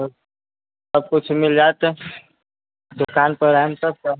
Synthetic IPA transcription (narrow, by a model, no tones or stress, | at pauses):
səb̚kʊt͡ʃʰmɪld͡ʒaːt̪ | d̪ʊkaːnpəɾamsəb̚kə